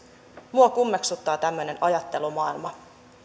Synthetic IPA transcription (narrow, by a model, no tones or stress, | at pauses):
muokumːeksut̪ːɑːt̪æmːøne̞nɑjɑt̪ːe̞lumɑːilmɑ